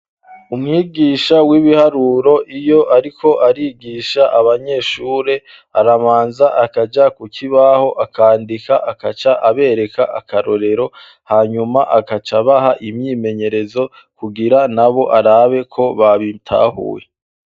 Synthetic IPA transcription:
umŋiːɡiːʃawiβihaɾuːɾo̞ʔijo̞ʔaɾikʰo̞ʔaɾiɡiːʃaʔaβaɲe̞ʃuːɾe̞ | a̰ɾamaːnzaʔakad͡ʒakucʰiβaho̞ʔakʰaːndikaʔakat͡ʃaʔaβe̞ːɾe̞kaʔa̰kaɾo̞ɾe̞ɾo̞ | haːɲumaʔakat͡ʃaβaɦaʔimɲime̞ɲe̞ɾe̞zo̞ | kuɡiɾanaβo̞ʔaɾaβe̞kʰo̞βaβitʰa̰ːhṵːwe

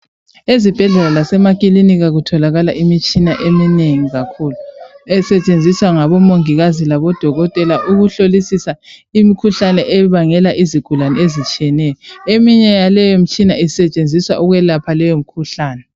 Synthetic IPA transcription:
ezib̥ʱɛɮɛlalasɛmakʼiliniɣaɣutʰɔlaɣalaʔimit͡ʃʼinaʔemineŋiɣakʰuːluɛsɛt͡ʃʼend͡zʱiswaŋaβɔmoŋiɣazilaβɔd̥ʱɔɣɔtʼɛlaʔuɣuɬolisisaimikʰuɬanɛʔɛβaŋɛlaʔiziɡ̥ʱulanɛezit͡ʃʼijɛnɛjɔemiɲɛjalɛjom̩t͡ʃʼinaisɛt͡ʃʼend͡zʱiswa̰ʔuɣwɛlapʰalɛjom̩kʰuɬaːnɛ

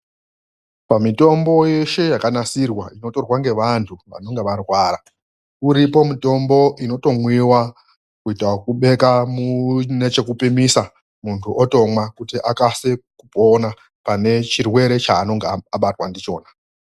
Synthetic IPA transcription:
pamito̞mbo̞je̞ʃe̞jakanasirwaino̞to̞rwaŋɡe̞ʋantʰuʋa̰no̞ŋɡeʋarwaːɾa | uɾipo̞mito̞mbo̞ʔino̞to̞mwiwa | kuitwakuɓe̞kamune̞t͡ʃe̞kupimisa | muntʰuʔoto̞mwakutiʔakasekupona | pane̞t͡ʃirwe̞ɾe̞t͡ʃaːno̞ŋɡeaɓatwa̰ndit͡ʃo̞̰ːna

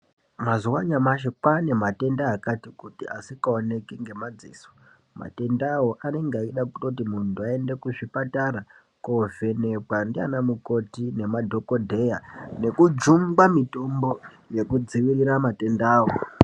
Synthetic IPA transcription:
mazuwaɲamaʃekwane̞mate̞ndaːkatikutia̰sikaone̞kiŋɡe̞mad͡zḭːso̥ | ma̰te̞ndawoʔane̞ŋɡeaiɗakuto̞t̬imuntuae̞nde̞kuʐipataɾa | kove̞ne̞kwandia̰namuko̞tine̞madʱo̞ko̞dʱe̞jane̞kud͡ʒumbamito̞mbo̞ | je̞kud͡ziʋiriɾamate̞ndaːwo

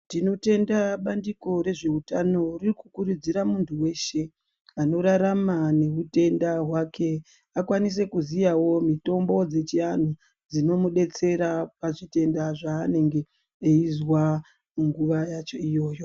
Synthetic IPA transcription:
tino̞te̞ndaɓandiko̞ɾe̞ʐe̞utano̞ririkukuɾud͡ziɾamuntʰuwe̞ːʃe | ano̞ɾaɾamane̞ute̞ndaɦwake̞ | akwanis̬e̞kuzijawo̞mito̞mbo̞d͡ze̞t͡ʃian̤u | d͡zino̞muɗe̞t͡se̞ɾapaʐite̞ndaʐaːne̞ŋɡe̞ː | izwa | uŋɡuʋajat͡ʃo̞ijo̞ːjo̞

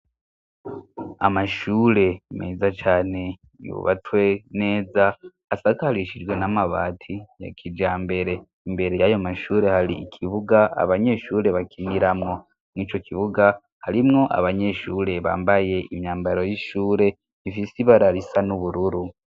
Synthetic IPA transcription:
a̰maʃuːɾe̞meːzat͡ʃaːne̞ | ḭo̰βa̰twene̞ːzaː | sakaɾiʃid͡ʒwe̞namaβa̰ːtʰija̰kʰid͡ʒaːmbe̞ɾe̞ː | mbe̞ɾe̞jajomaʃuːɾe̞haɾḭikʰiβuɡaa̰βaɲe̞ʃuːɾe̞βakʰiniɾamŋo̞ | mŋiːt͡ʃo̞kʰiβuɡa | haɾimŋo̞ʔa̰βaɲe̞ʃuːɾe̞βa̰ːmbaje̞ʔimɲaːmbaɾo̞jiʃuːɾe̞ | ifisiβaɾaɾisanuβuɾuɾu

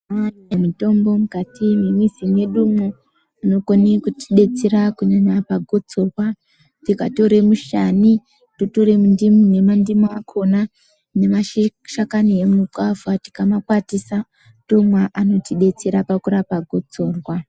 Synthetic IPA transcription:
manemito̞mbo̞mukatimimwizimwe̞ɗumwo | ano̞konekuti̥ɗe̞t͡seɾakuɲaɲapaɡʱot͡so̞rwa | tikato̞ɾe̞muʃani | totoɾe̞mundimune̞mandimuakʰo̞na | ne̞maʃakanie̞mukavuati̥kamakwatisa | ɗumwaʔano̞tiɗe̞t͡seɾapakuɾapaɡʱot͡so̞ːrwa

